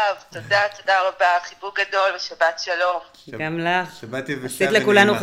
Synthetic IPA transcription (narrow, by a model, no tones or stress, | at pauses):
avt̪od̪at̪odaʁabaχibuʁɡad̪o̞lbeʃabat̪ʃalo̞m | ɡamlaχbat̪sit̪lekulanuχ